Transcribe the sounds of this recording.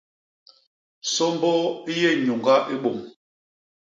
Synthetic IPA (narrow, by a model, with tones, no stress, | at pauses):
sɔ˦m˦bɔ˦i˦jɛ˦˨ɲu˨ŋɡa˦ʔe˦ɓo˨m